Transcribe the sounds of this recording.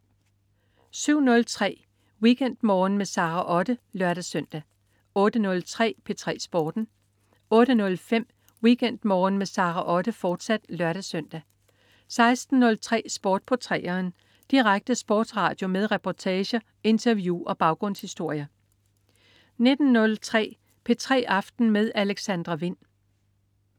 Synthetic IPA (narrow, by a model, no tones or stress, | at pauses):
syʊ̰nɔ̽lt͡sʰʁɛ̰ː | wikʰen̰d̥mɒːnmesɑ̈ʁɑʔɒ̽ɾ̥əlɶɐɾ̥æsœn̰d̥æ | ɔ̽ːd̥ənɔ̽lt͡sʰʁɛ̰ːpʰe̝t͡sʰʁɛ̰ːsb̥ɒːd̥n̩ | ɔ̽ːɾ̥ənɔ̽lfem̰ | wikʰen̰d̥mɒːnmesɑ̈ːʁɑʔɒ̽ɾ̥əfɒːd̥sæd̥lɶɐɾ̥æsøn̰d̥æ | sɑ̈ɪsd̥n̩ːɔ̽lt͡sʰʁɛ̰ːsb̥ɒːd̥̚pʰɒ̽t͡sʰʁɛ̰ːɐːn | d̥iʁaɡ̥̚d̥əsb̥ɒ̰ːd̥sʁɑ̰̈ːd̥jo̝með̞ˠʁɛpʰɒt͡sʰɛːɕɐ | e̝nt͡sʰɐʋjuʔɒ̽b̥ɑ̈ʊɡ̥ʁɔ̽n̰shisd̥o̝ɐ̰jɐ | ne̝d̥n̩ːɔ̽lt͡sʰʁɛ̰ː | pʰe̝t͡sʰʁɛ̰ːʔɑ̈fd̥n̩með̞ˠæleɡ̥sænd̥ʁɐʋe̝n̰